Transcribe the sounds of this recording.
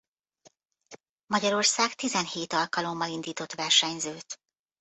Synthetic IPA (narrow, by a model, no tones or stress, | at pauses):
mɒɟɒɾo̞rsaːɡt̪izɛnheːt̪ɒlkɒlo̞mːɒlind̪iːt̪o̞t̪ʋɛrʃɛɲzøːt̪